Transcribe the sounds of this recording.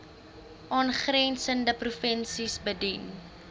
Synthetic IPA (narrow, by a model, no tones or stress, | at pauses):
ʔɑːnχrɛnsəndəprufənsisbədin